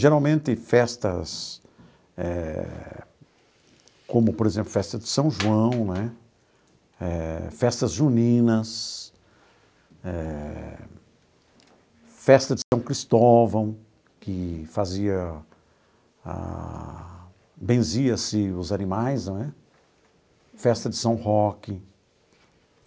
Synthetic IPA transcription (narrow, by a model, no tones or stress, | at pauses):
ʒeɾawmẽnt̪ɪfɛst̪ɐs | ɛ | kõmʊpoɾezẽmplʊfɛst̪ɐd̪ɪsɐ̃w̃ʒuɐ̃w̃nɛ | ɛfɛst̪ɐzʒunĩnɐs | ɛ | fɛst̪ɐd͡ʒɪsɐ̃w̃kɾist̪ɔvɐ̃w̃ | kɪfaziɐ | a̰ | bẽziɐsɪʊzɐnimajznɛ | fɛst̪ɐd͡ʒɪsɐ̃w̃hɔkɪ